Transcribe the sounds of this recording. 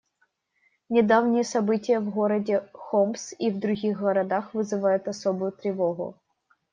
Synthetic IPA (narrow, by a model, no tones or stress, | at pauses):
nʲɪd̪avnʲɪjəsɐbɨtʲɪjəvɣoɾɐdʲɪxɔmsivd̪ɾʊɣʲixɡɐɾɐd̪axvɨzɨvajʊt̪ɐsobʊjʊt̪ɾʲɪvoɣʊ̰